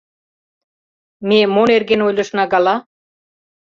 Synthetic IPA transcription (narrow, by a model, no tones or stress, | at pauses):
memoneɾɡenojlˠɤ̆ʃ̆nɑɡɑlˠɑ